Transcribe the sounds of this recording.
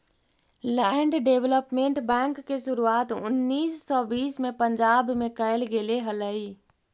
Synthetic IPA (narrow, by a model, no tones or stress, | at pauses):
lɛɳɖɖeʋləpmẽɳʈbɛ̃ːŋkːeʃʊɾuaːt̪ʊ̰nːiːsːɔːbiːsmẽpə̃ɲd͡ʒaːbmẽkəɪlɡeleɦələiː